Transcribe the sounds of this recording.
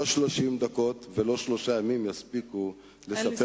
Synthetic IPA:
oʃlo̞ʃimd̪ako̞t̪velo̞ʃlo̞ʃajamimjaspiku | lesape

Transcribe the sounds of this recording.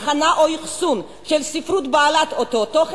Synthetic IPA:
χanaʔoiχsun | ʃelsifɾut̪baːlat̪ot̪ot̪oχ

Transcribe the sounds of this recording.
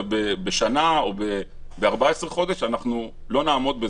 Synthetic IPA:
bebeʃanao̞be | beaʁbaesʁeχo̞d̪eʃanaχnu | lo̞naːmo̞d̪be

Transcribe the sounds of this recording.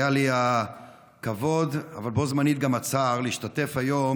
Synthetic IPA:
jalia | kavo̞d̪a̰valbo̞zmanit̪̚ɡamat͡saːʁliiʃtate̞fajo̞m

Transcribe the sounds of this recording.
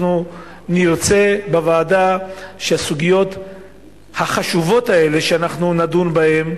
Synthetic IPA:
nu | niʁt͡se̞bavaːdaʃeasuɡijo̞t | haχaʃuvo̞tae̞le̞ʃeanaχnunadunbahe̞m

